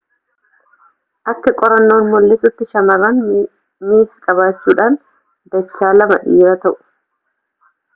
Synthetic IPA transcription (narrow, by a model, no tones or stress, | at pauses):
ʔɐkːɛkʼɔɾɐnːo̞ːnmɔlːɪsʊt̪ːɪʃɐmɐrːɐn | miːskʼɐβaːt͡ʃːuːᶑaːn | d̪ɐt͡ʃːaːlɐmɐᶑiːɾɐt̪ɐʔʊ̥